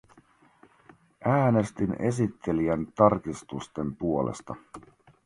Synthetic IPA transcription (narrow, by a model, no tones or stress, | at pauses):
ʔæːne̞st̪ine̞sit̪ʰːe̞liænt̪ɑrkist̪ust̪empuo̞lḛst̪ɑ